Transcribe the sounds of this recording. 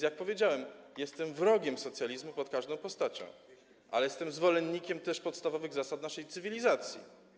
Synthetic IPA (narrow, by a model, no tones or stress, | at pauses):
jak̚pɔvʲjed͡ʑawɛmjɛst̪ɛmvɾɔɡʲɛmsɔt̪sʲjalʲizmupɔt̪̚kaʐd̪ɔ̃w̃pɔst̪at͡ɕɔ̰̃w̃ | ʔa̰lɛjɛst̪ɛmzvɔlɛnːikʲɛmt̪ɛʂpɔt̪st̪avɔvɘɣzasat̪naʂɛjt̪sɘvʲilʲizat̪sʲjḭ